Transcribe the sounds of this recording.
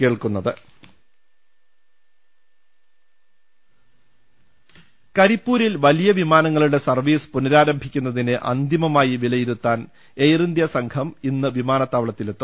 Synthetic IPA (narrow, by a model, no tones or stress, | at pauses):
ke̞ːɭkunːɐðɨ | kɐɾipːuːɾilʋɐlijɐʋimaːnɐŋːɐɭuɽe̞sɐrʋiːspunɐɾaːɾɐmbʱikʲːunːɐðinɨʔɐ̰nd̪imɐmaːjiʋilɐjiɾut̪ːaːn | ejrind̪jɐsɐŋkʰɐminːɨʋimaːnɐt̪ːaːʋɐɭɐt̪ːilet̪ːum